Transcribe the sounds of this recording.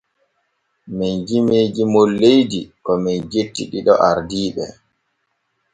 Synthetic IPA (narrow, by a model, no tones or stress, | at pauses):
minɡimeːd͡ʒimolːejdikɔmɛnd͡ʒetːiɗiɗɔ̰ʔaɾdiːɓɛ